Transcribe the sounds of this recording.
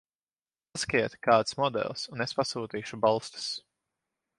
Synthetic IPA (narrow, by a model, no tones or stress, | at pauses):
skiɛt̪kaːt̪smɔd̪ɛ̰lˠsunespasuːt̪iːʃubalˠst̪ɨ̥s